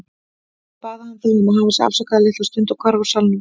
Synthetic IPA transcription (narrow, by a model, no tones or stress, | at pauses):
paːðahanθɛɣnʏmaðɦawvasɪa̰sɔkʰaːðlɪht̪ast̪ʏnt̪akʰvaɾvaɾ̥salnʏm